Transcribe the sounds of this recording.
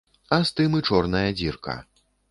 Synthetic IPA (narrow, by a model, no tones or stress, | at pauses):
ɐst̪ɨmɨt͡ʂɔrnɐjɐd͡zʲirkʰɐ̰